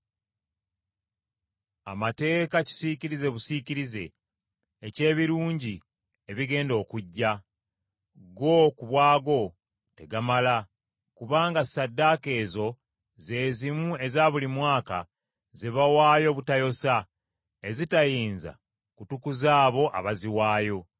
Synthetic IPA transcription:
a̰mate̞ːkaci̥siciɾize̞βusiciɾize̞̰ː | ce̞ːβiɾuːɲɟi | e̞βiɡe̞ːndo̞ːkuɟːa | ɡo̞kuβwaːɡo̞ | te̞ɡamala | kuβaːŋɡasadːake̞ːzo̞ | ze̞ːzimue̞zaːβulimwaːka̰ | ze̞βawaːjo̞βutajo̞sa | e̞zitajiːnza̰ | kutukuzaːβo̞ʔa̰βaziwaːjo̞

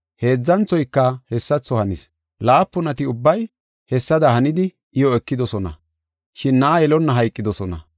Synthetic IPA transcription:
he̞ːd͡zːɐnt͡sːɔjkːɐhɛsːɐt͡sːɔhɐnɪs | laːpːʊnɐt̪ɪʊbːɐj | hɛsːɐd̪ɐhɐnɪd̪ɪ | ɪjɔɛkːɪd̪ɔsɔnɐ̰ | ʃɪnːɐːjɛlɔnːɐɦɐjkʼːɪd̪ɔsɔnɐ̰

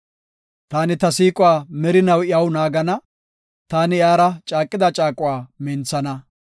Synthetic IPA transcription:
t̪aːnɪt̪ɐsiːkʼʊwaːmɛɾɪnɐwɪɐwnaːɡɐnɐ | t̪aːnɪjaːɾɐt͡ʃʼaːkʼːɪd̪ɐt͡ʃʼaːkʼʊwaːmɛnt͡sːɐnɐ

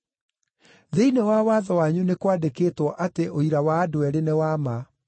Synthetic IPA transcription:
ðeinewawaðɔwaɲunekwadekeːtwɔʔateʔoiɾawaːdoɛɾenewama

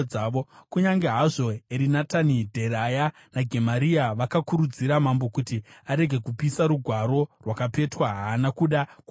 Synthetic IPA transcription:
aːʋokuɲaŋɡe̞ɦaʐo̞eɾinatanidʱe̞ɾaja | naɡʱe̞maɾiaʋakakuɾud͡ziɾamambo̞kutiaɾe̞ɡʱe̞kupisaɾuɡʱwaɾo̞rwakape̞twaɦaːnakuɗak

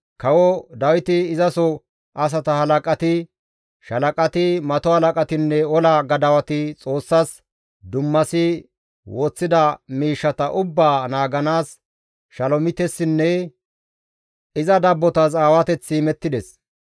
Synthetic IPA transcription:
kɐwɔd̪ɐwɪt̪ɪːzɐsɔ | ʔɐs̬ɐt̪ɐhɐlɐkʼɐt̪ɪ | ʃɐlɐkʼɐt̪ɪmɐt̪ɔhɐlɐkʼɐt̪ɪnːɛɔlɐɡɐd̪ɐwɐt̪ɪt͡sʼo̞ːsːas | d̪ʊmːɐsɪ | wʔoːt͡sːɪd̪ɐmiːʃːɐt̪ɐʔʊbːaːnaːɡɐnaːs | ʃɐlɔmɪt̪ɛsːɪnːɛ | ɪzɐd̪ɐbːɔt̪ɐs̬ʼaːwɐt̪ɛt͡sːiːmɛt̪ːɪd̪ɛs

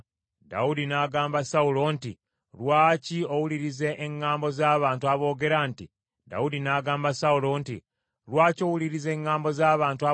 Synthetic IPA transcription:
da̰udinaːɡaːmbasaulo̞nti | lwaːcio̞wuliɾizeʔeŋːaːmbo̞zaːβaːntuaβo̞ːɡe̞ɾanti | da̰udinaːɡaːmbasaulo̞nti | lwaːco̞wuliɾize̞ːŋːaːmbo̞zaːβaːntua

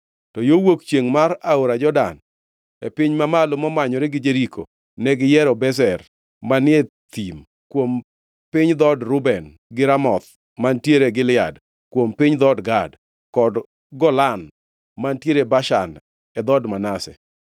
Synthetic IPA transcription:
tɔjowokt͡ʃjeŋmaɾaoɾad͡ʒɔda̰n | epɪɲmamalʊmɔmaɲɔɾɛɡɪd͡ʒeɾikʰo̰ | nɛɡɪjɛɾɔbɛsɛr | manɪe | t̪im | kwom | pɪɲd̪ɔdɾʊbɛn | ɡɪɾamɔt̪ | mantjeɾeɡɪlɪa̰d | kwompɪɲd̪ɔdɡad | kɔd | ɡɔlan | mantjeɾebaʃa̰n | ɛd̪ɔdmanasɛ̰

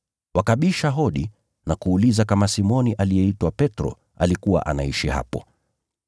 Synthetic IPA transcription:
wakaɓiʃaɦɔɗi | nakuːlizakamasimɔniʔalijɛitwapɛtɾɔ̰ | alikuwa̰ʔa̰naiʃiha̰pɔ̰

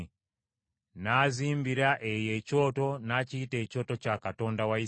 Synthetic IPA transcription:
nazimbiɾaʔɛjɛt͡ʃɔtonat͡ʃitɛt͡ʃɔtɔt͡ʃakatɔndawai

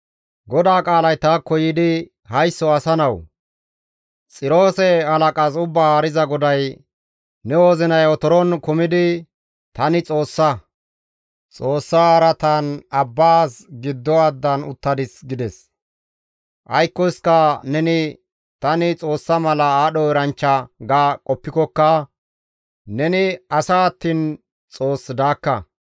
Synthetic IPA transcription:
ɡɔd̪aːkʼaːlɐjt̪aːkːɔjɪd̪ɪ | hɐjsːɔɐsɐnɐw | t͡sʼɪɾo̞ːsɛhɐlɐkʼasʊbːaaːɾɪzɐɡɔd̪ɐj | nɛwoːzɪnɐjɔt̪ɔɾɔnkʊmɪd̪ɪ | t̪ɐnɪt͡sʼo̞ːsːɐ | t͡sʼo̞ːsːaɐɾɐt̪ɐnɐbːaːsɡɪd̪ːɔɐd̪ːɐnʊ̰t̪ːɐd̪ɪsɡɪd̪ɛs | ʔɐjkːɔɪskɐnɛnɪ | t̪ɐnɪt͡sʼo̞ːsːɐmɐlɐaːɗɔɛɾɐnt͡ʃːɐɡaːkʼɔpːɪkɔkːɐ | nɛnɪɐsaːɐt̪ːiːn | t͡sʼo̞ːsːɪd̪aːkːɐ

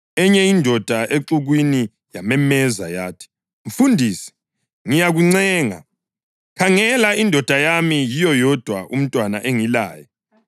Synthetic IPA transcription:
ɛɲɛindʱɔd̥ʱaʔeǀuɣwini | jamɛmɛza̰jaːtʰi̥ | m̩fundʱiːsi̥ | ŋijaɣuŋ͡ǀɛːŋa̰ | kʰaŋɛlaindʱɔd̥ʱajamijijɔjɔd̥ʱwaʔum̩tʼwana̰ʔeŋila̰ːjɛ

